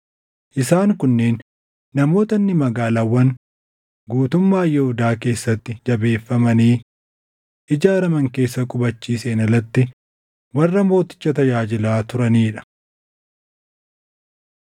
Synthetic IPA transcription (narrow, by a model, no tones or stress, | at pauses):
ʔɪsaːŋkʊnːe̞ːnː | ɐmo̞ːt̪ɐnːɪmɐɡaːlaːwːɐn | ɡuːt̪ʊmːaːjɛhʊd̪aːke̞ːsːɐt̪ːɪd͡ʒɐbe̞ːfːɐmɐniː | ʔɪd͡ʒaːɾɐmɐŋke̞ːsːɐkʼʊbɐt͡ʃːiːseːnɐlɐt̪ːɪ | wɐrːɐmo̞ːt̪ɪ̥t͡ʃːɐt̪ɐjaːd͡ʒɪlaːt̪ʊɾɐniːᶑɐ̥